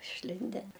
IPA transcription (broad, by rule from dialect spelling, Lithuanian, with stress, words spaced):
ɪʃʲˈlʲɪnʲdʲɛn